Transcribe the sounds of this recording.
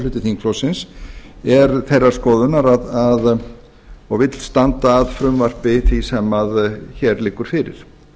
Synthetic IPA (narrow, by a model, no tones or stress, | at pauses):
lʏːt̪ɪθiŋkʰlowsɪnsɛɾθejrːaɾ̥skɔːðʏnaɾaðað | ɔɣvɪt̪l̥st̪ant̪aːðfɾʏmvar̥pɪθvisɛmaðçɛɾlɪːkːʏɾ̥fɪɾɪ̰ɾ̥